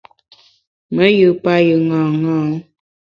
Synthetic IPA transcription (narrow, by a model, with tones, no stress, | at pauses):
mə˦jɨ˨pa˦jə˨ŋã˨ŋãː˦